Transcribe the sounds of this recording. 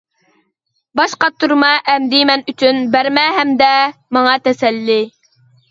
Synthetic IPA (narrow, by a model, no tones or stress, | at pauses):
bɑʃqɑt̪ʰːuɾmɑʔɛmd̪imɛnyt͡ʃʰynbæɾmɛɦɛmd̪ɛmɑŋɑt̪ʰɛsɛlːɪ